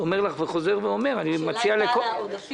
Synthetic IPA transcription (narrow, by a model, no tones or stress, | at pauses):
ome̞ʁlaχveχo̞ze̞ʁveo̞me̞ʁanimat͡sialeko